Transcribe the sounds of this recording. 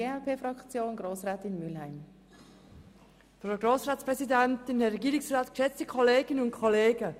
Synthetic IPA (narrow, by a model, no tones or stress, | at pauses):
eːɛlpʰeːfrɑkt͡sjoːnɡɾoːsʁɛːtɪnmʏlhaɪm | fraʊɡroːsʁaːtt͡spʁ̥ɛzidɛntɪnɛɾɛɡiːɾɪŋsraːtkʃɛt͡stəkʰɔleːɡənʊntkʰɔleːɡə